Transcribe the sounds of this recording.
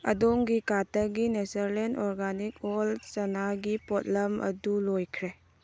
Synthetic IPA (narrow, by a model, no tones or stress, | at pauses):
ɐdoŋɡikatəɡinesɐɾlendɔɾɡanikolsɐnaɡipɔt̚lɐmɐ̰dulojkʰɾe